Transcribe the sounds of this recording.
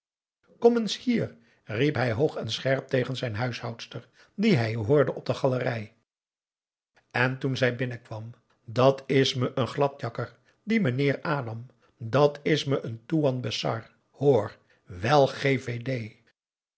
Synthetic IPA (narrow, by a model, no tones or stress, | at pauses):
kɔmənshiːr | ripɦɛjɦowχɛnsχɛɹp̚tejχənzɛjnɦœɥshɑwtstəɹ | diɦɛjɦoːɹdəʔɔb̚dəχɑlərɛj | ɛntunzɛjbɪnəkʋɑm | dɑtɪsməʔənχlɑtjɑkəɹ | dimənɪːɹaːdɑm | dɑtʰɪsməʔəntuɑnbəsɑ̰ɹ | hoːɹ | ʋɛlˠχevejdej